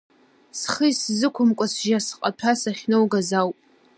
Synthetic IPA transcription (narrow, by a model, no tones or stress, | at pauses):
sχəjszɨkʷʰʊmkʷʼasʒasqʼatʰasaχʲnowɡazawpʼ